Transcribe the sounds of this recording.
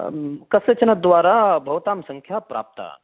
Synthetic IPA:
kɐsɐt͡ʃɐnɐd̪ʋaːɾaːbʱɐʋt̪aːmsɐ̃ŋkʰjaːpɾa̰ːp̚t̪a̰

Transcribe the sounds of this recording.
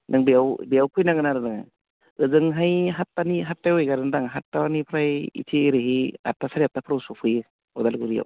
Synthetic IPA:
nʔɯŋbijawbijawkʰɯjnaɡɯnaɾɯnɯŋa̰ | ɯzɯŋɦajɦatːaniɦatːajejɡaɾɯndaŋɦatːawanipʰɾajḭtʰiɾɯɦia̰tːasʰaɾiap̚tapʰɯɾawsupʰɯj | ɔdalɡɯɾija̰w

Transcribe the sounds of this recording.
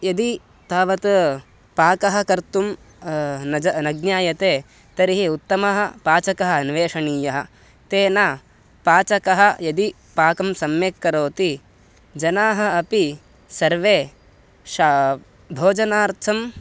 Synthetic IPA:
jɐd̪i | t̪aːʋɐt̪ | paːkɐɦɐ̆kɐɾt̪um | nɐd͡ʒɐnɐɡnjaːjɐt̪eː | t̪ɐɾiɦiut̪ːɐmɐɦɐ̆paːt͡ʃɐkɐɦɐɐnʋeːʂɐɳiːjɐɦɐ̆ | t̪eːnaː | paːt͡ʃɐkɐɦɐjɐd̪i | paːkɐmsɐmjekːɐɾoːt̪i | d͡ʒɐnaːɦɐɐpi | sɐɾʋeː | ʃa | bʱoːd͡ʒɐnaːɾt̪ʰɐm

